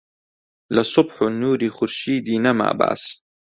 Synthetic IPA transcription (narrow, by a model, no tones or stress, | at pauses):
lɪsˤʊbħʊnːuːɾixʊɾʃiːd̪inama̰ːba̰ʕs